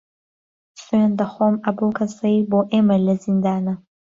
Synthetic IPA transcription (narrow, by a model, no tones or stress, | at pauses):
sand̪ɐχomɐbokʰɐsɐiboʔemɐlɐzind̪aːnɐ